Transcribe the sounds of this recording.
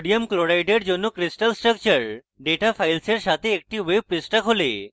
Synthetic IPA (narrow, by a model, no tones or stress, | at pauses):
ɽijəmkloɾajʈeɽd͡ʑonːuːkɾisʈəlsʈɾək̚t͡ɕəɾ | ɖeʈafajlseɾɕat̪eːk̚ʈiːʋeʋpːisʈəkɦole